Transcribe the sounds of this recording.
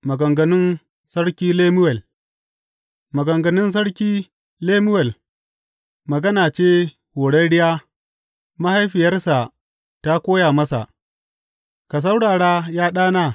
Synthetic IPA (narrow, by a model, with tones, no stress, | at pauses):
mɐ˨ɡɐ˨ŋɡɐ˨nɪ˦n | sɐ˦ɽkʲiː˦leː˦mʊ˦wɛ˨l | mɐ˨ɡɐ˨ŋɡɐ˨nɪ˦ns̬ɐ˦ɽkʲiː˦ | leː˦mʊ˦wɛ˨l | mɐ˨ɡɐ˦naː˨t͡ʃeː˦ | ho˨ɽɐ˦ɽɪ˦jaː˦ | ma˦ha˦jɸɪ˨jɐ˦rsa˨ | ta˦kʷoː˦jaː˨mɐ˦sa̰˨ʔ | ka˨s̬ɐ˦wɽaː˨ɽaː˦jaː˦ɗaː˦naː˦